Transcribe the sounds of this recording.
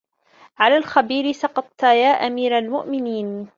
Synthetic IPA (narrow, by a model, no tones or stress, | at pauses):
ʕalaːlxabiːɾɪsɑqɑt̪ˤt̪ajaːʔamiːɾalmʊʔmɪniːn